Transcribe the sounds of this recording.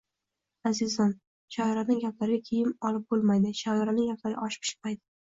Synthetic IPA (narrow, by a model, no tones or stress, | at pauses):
azɪzɒn | ʃɒɾanɪŋɡʲaplaɾɪɡʲakʲʰejɪmɒlɪp̚bolˠmajd̪ɪʃɒɪɾanɪŋɡʲapʰlaɾɪ̰ʔɒʃpʰɪ̥ʃɪ̥majd̪ɪ